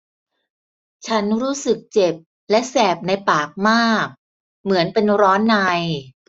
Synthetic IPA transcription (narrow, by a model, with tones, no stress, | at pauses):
t͡ɕʰa˦˥nɾuː˦˥sɯ˨˩k̚t͡ɕe˨˩p̚ | lɛ˦˥ʔsɛː˨˩p̚na˧jpaː˨˩k̚maː˥˩k̚ | mɯ˩˦ənpe˧nɾɔː˦˥nːaː˧j